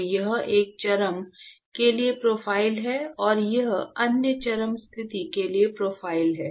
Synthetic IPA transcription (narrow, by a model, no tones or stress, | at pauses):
jɐɦeːk̚t͡ʃɐɾəm | keliepɾoːfʰaːɪlɦɛɔːɾjɐɦɐnjət͡ʃɐɾəmst̪ʰɪt̪ikeliepɾoːfaːɪlɦɛː